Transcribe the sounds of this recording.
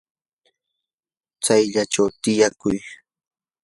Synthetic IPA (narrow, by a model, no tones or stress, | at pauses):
t͡sajʎaʈ͡ʂawt̪ɪjakʊj